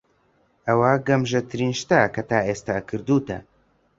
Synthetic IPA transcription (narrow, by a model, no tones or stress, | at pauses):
ɐwaɡɐmʒɐt̪ʰɨɾiːnʃt̪ɐkɐt̪aːʔeːst̪aːkʰɨɾd̪uːt̪ɐ̰